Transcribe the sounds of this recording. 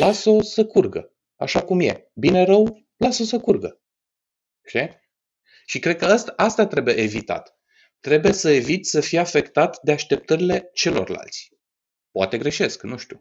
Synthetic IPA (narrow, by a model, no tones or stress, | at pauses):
laso̞səkurɡə̰ | a̰ʃakumje̞̰ | bine̞ɾəw | laso̞səkurɡə | t͡ʃe | ʃikɾe̞d̪̚kəəst̪aast̪at̪ɾe̞bujeevit̪a̰t̪ː | ɾe̞bujesəe̞vit̪ʲsəfijafe̞kt̪at̪d̪e̞aʃt̪e̞p̚t̪əɾile̞t͡ʃe̞lo̞̰rla̰lt̪sʲ | poa̰t̪e̞ɡɾe̞ʃe̞sknuʃt̪ʲu̥